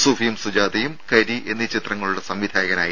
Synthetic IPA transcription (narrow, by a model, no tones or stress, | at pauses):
sufijumsud͡ʑaːd̪ɐjumkɐɾie̞nːit͡ɕit̪rɐŋːɐɭuɽesɐmʋid̪ʱaːjɐɣɐna̰ːj